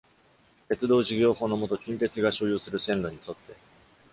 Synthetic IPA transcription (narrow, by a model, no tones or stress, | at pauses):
k̪e̞t͡sɨd̪o̞ːʑiɡʲo̞ːho̞ːno̞mo̞t̪o̞kʲĩŋke̞t͡sɨɡaɕo̞ːjoːsɨɾɯ̟sẽ̞nɾoɲ̟iso̞t̪ːe̞